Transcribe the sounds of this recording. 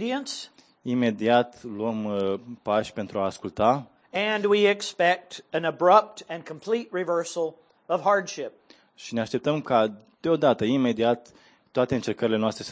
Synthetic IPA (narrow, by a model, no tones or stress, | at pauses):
ɾiɨ̃ns | ime̞d̪iat̪luəmpaʃʲpent̪ɾuaːskult̪a | ɨ̃nwiɪkspɛk̚tɨ̃nəbɹʌp̚tɨ̃nkʰm̩pʰl̥it̚ɹivɜ˞sl̩ˠ | ʌv̥ɦɑɹdʃɪp̚ | ʃine̞aʃt̪e̞p̚t̪əmka | d̪̥eo̞d̪at̪əime̞d̪iat̪ː | oat̪e̞ɨnt͡ʃe̞rkəɾile̞noast̪ɾes